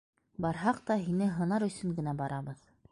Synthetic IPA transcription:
bɑɾɦɑqt̪ɑɦinɘɦɤ̆nɑɾɵ̆sɵŋɡɘ̆næbɑɾʔɑβɤð

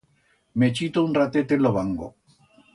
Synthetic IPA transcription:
met͡ʃit̪ounrat̪et̪eloβaŋɡo̰

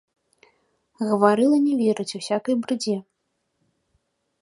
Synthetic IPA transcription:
ɣɐvaɾɨlˠɐnʲɛvʲɛɾɨt͡sʲusʲakɐjbɾɨd͡zʲɛ

